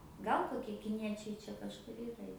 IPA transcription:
ˈɡɐlˠ koːˈkʲiɛ kʲɪˈnʲiɛt͡ʃʲɛɪ ˈt͡ʃʲɛ kɐʃˈkʊr ˈiːrɐ jɛʊ

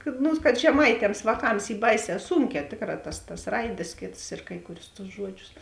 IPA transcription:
kɐt ˈnʊ kɐt ʒʲɛˈmɐɪtʲɛms ʋɑːˈkɐms ˈiː ˈbɐɪˌsʲɛː ˈsuːŋʲkʲɛː ˈtʲeːkˌrɑː tɐs tɐs ˈrɐɪdʲeːs ˈkʲeːts ɪr ˈkɐɪ kʊˌrʲʊs tʊs ˈʒuɔdʲˌʒʲʊs

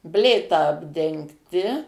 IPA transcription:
ˈbʲlʲeːtɐ ɐbʲdʲɛŋkˈtʲɪ

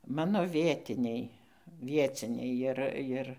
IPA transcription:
ˈmɑːnoː ˈʋʲiɛtʲɪnʲɛɪ ˈʋʲiɛt͡sʲɪnʲɛɪ ˈjɪr ˈʋʲiɛt͡sʲɪnʲɛɪ ˈjɪr ˈjɪr

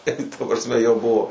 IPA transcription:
tɐ prɐsʲˈmʲɛ jɛʊ ˈbʊʋoː

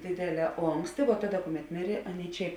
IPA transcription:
ˈdʲeːdʲeːˌlʲɛː ˈoːŋksʲtʲɪ ʋoː ˈtɑːˌdɐ ˈkʊˌmʲɛt ˈmʲɪrʲeː ˈɑːˌnʲeːɪ ˈt͡ʃʲɛ

